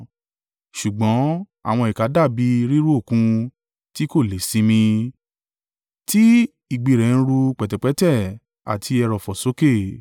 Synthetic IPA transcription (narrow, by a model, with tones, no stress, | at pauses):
ʃu˨ɡ͡bɔ̃˨˦ | a̰˦˨w̃ɔ̃˧i˨ka˨˦da˦˨bi˨˧˦ɾi˦ɾu˦o˦˨kũ˧ | ti˦ko˦˨le˨˦sĩ˧˦mĩ˧ | ti˦ | i˦˨ɡ͡bi˨ɾɛ˨˦ñ̩˦˧ɾu˧k͡pɛ˨tɛ˨k͡pɛ˨˦tɛ˦˨ | a̰˨tʰi˧ɛ˧ɾɔ˨fɔ˨so˨˦ke˦˨